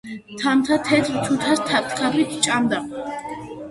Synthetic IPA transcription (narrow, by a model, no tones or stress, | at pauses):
t̪ʰamt̪ʰat̪ʰɛt̪ʰɾt͡ʃ̪ʰut̪ʰast̪ʰap̚t̪kʰabit̪ʰt͡ʃʼamd̪a